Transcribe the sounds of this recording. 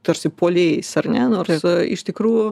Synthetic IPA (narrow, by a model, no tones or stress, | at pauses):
t̪ɐɾʲsʲɪpoːlʲeːsɐrnʲɛnoːɾsɪ̰ʃt̪ʲɪkɾuːjʊ